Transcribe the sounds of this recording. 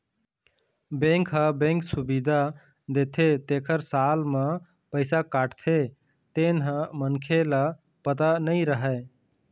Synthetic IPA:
bẽŋkɦəbẽŋksubid̪ʱa | d̪et̪ʰet̪eːkʰəɾsalmẽ | pəɪsakaːʈt̪ʰe | t̪enɦə̃mənkʰela | pət̪anəiɾəɦɛ

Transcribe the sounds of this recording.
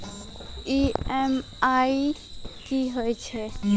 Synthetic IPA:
iem | aikiɦojt͡ʃʰe

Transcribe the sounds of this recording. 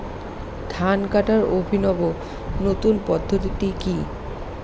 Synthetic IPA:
d̪̥ʱankaʈaɹobʱinɔbo | not̪unpɔd̪ʱːot̪it̪iki

